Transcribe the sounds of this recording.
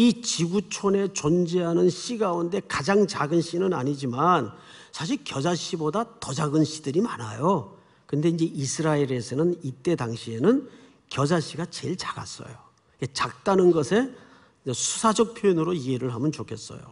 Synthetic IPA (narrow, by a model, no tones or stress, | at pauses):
it͡ɕiɡut͡ɕʰone̞t͡ɕond͡ʑeɦanɯnɕ͈iɡaunde̞kad͡ʑaŋt͡ɕaɡɯnɕ͈inɯnaɲid͡ʑimansʰaɕ̬ʰiɭkjʌd͡ʑaɕ͈ʰibodatʌd͡ʑaɡɯnɕʰidɯɾimanajo | kɯnde̞ind͡ʑe̞ʔisʰɯɾaeɾe̞sʰʌnɯnit͈e̞daŋɕʰie̞nɯn | kjʌd͡ʑaɕ͈ʰiɡat͡ɕe̞ɭt͡ɕaɡa̰s͈ʌ̰jo̰ | ket͡ɕak̚t͈anɯnɡʌsʰe̞ | esʰu̥sʰad͡ʑʌk̚pʰjojʌnɯɾoiɦe̞ɾɯɭɦamɯnt͡ɕokʰe̞s͈ʌ̰jo̰